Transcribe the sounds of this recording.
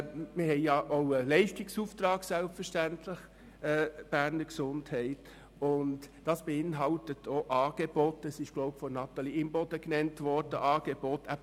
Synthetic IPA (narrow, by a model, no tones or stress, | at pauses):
mɪhɛɪjɑʔoʊəlɛɪʃtɪksuːft̪ɾɑːɡsælpfəʃtæntʰlɪχ | ɛːb̥æːɾnəɾksʊnthɛɪt | ʊntd̥ɑsb̥eɪnɦɑltətʰoʔɑːɡ̥ebɔtɛsɪʃɡ̥lɔʊpfɔnɑt̪ɑliɪmbɔdəknɛntʋɔɾd̥əʔɑːɡ̥ebotʰæ